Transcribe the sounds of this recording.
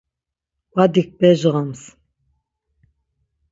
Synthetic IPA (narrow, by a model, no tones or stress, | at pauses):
wad̪ik̚bɛʒʁams